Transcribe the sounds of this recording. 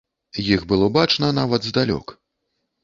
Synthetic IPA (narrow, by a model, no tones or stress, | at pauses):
jiɣbɨlˠɔbat͡ʂnɐnavɐd̪zd̪alʲɔ̰k